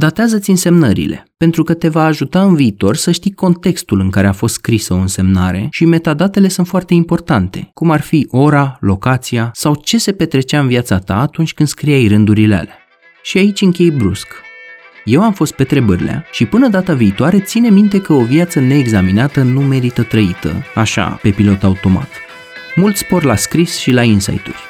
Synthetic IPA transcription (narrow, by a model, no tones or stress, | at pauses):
d̪at̪eazət̪sʲɨnse̞mnəɾḭle̞̰pe̞nt̪ɾukət̪e̞vaːʒut̪aɨnviːt̪o̞rsəʃt̪iko̞nt̪e̞kst̪ulɨŋkaɾe̞afo̞st̪skɾisəo̞ɨnse̞mnaɾe̞̰ʃime̞t̪ad̪at̪e̞le̞sunt̪foart̪eimpo̞rt̪ant̪e̞̰kumarfiʔo̞ɾalo̞kat̪siasawt͡ʃe̞se̞pe̞t̪ɾe̞t͡ʃaɨnviat̪sat̪a̰ːt̪unt͡ʃʲkɨnd̪skɾiajrɨnd̪uɾilea̰lea | ʃiait͡ʃʲɨŋkʲe̞jbɾusk | je̞wamfo̞st̪̚pe̞t̪ɾe̞bəɾʲilea̰ʃipɨnəd̪at̪aviːt̪oaɾe̞t̪sine̞mint̪e̞kəovjat̪səne̞ːɡzaminat̪ənume̞ɾit̪ət̪ɾəit̪ə̰aʃa̰pe̞pilo̞t̪aut̪o̞ma̰t̪ | mult̪spo̞rlaskɾisʃilainsa̰jt̪ṵlʲ